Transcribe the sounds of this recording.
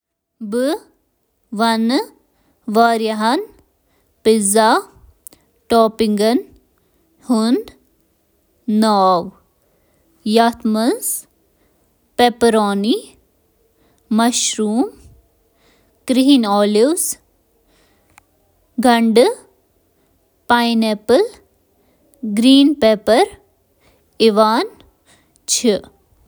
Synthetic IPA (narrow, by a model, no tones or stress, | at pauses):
bɨ | ʋɐn | ʋaːɾjɐɦɐn | piza | ʈoːpiŋɡɐn | hun | aːʋ | jat̪ʰmɐz | pepɾoːni | ɐʃɾuːm | kɾiɦinɔːliwz | ɡʱɐɳɖ | pajnepəl | ɡɾiːnpeːpɐɾ | iʋaːn | t͡ʃʰi